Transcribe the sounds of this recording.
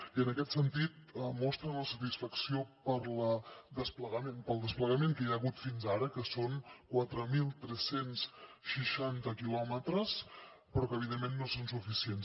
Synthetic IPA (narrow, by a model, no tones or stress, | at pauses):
iənəkɛt̪sənt̪it̪̚əmɔst̪ɾə̃ləsət̪isfəksiopəɾləd̪əspləɣəmenpəlˠd̪əspləɣəmeŋkəjaːɣut̪finzaɾəkəsoŋkwat̪ɾəmilˠt̪ɾɛsensʃəʃant̪əkilɔmət̪ɾəs | pɾɔkəːβ̞iðemːenːosonsufisiens